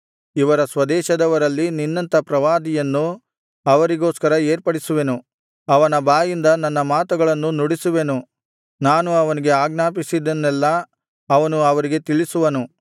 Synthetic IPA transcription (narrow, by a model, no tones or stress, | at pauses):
iʋɐɾɐsʋɐd̪ɛːʃɐd̪ɐʋɐɾɐlːininːɐnt̪ɐpɾɐʋaːd̪ijɐnːu | ɐʋɐɾiɡo̞ːskɐɾɐeːɾpɐɽisuʋenu | ɐʋɐnɐbaːjind̪ɐnɐnːɐmaːt̪uɡɐɭɐnːunuɽisuʋe̞nu | naːnuɐʋɐniɡe̞aːɡnaːpisid̪ɐnːɛlːɐ | ɐʋɐnuɐʋɐɾiɡe̞t̪iɭisuʋɐnu